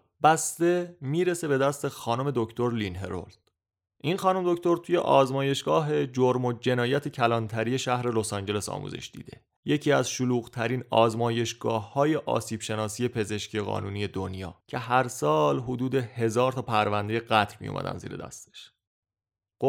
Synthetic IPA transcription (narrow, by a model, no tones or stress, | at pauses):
b̥æst̪emiːɾe̞se̞be̞d̪æst̪e̞xɒːno̞me̞d̪o̞cʰt̪o̞ɾlinɦḛɾo̰ld̪̥ | ʔinxɒːno̞med̪o̞ct̪o̞ɾt̪ʰuːjḛʔɒːzmɒːje̞ʃɡɒːɦe̞d͡ʒoɾmod͡ʒe̞nɒːjæt̪ʰecʰælɒːnt̪ʰæɾije̞ʃæhɾe̞lo̞sɒnd͡ʒe̞le̞sɒ̰ːmṵːzḛʃd̪ḭːd̪e̞̰ | je̞cʰiːæzʃoluːɣt̪ʰæɾiːnɒːzmɒːje̞ʃɡɒːhːɒːje̞ʔɒ̰ːsiːb̥ʃe̞nɒːsiːje̞pʰe̞ze̞ʃcijeɣɒ̰ːnuːnije̞d̪o̞njɒ̰ːcʰe̞ɦæɾsɒːlɦod̪uːd̪e̞he̞zɒːɾt̪ʰɒːpʰæɾvænd̪eje̞ɢæt̪ʰɾmḭjo̰mæ̰d̪æ̰nzḭːɾed̪æ̰st̪e̥ʃ